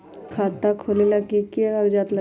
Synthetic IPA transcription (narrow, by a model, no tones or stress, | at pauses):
kʰaːt̪akʰoːlilakikiaɐɡd͡ʒaːt̪lə